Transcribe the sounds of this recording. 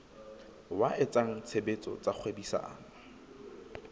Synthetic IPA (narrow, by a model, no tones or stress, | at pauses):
waʔɪt͡sʼaŋ̩t͡sʰebet͡sʼɔ̰t͡sʼak͡xʰwebisa̰ʔa̰ːma